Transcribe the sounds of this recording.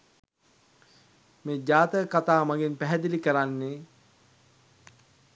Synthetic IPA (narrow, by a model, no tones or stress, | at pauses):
meːd͡ʒaːt̪əkat̪aːmaɡenpæɦɛd̪ilikəɾanːe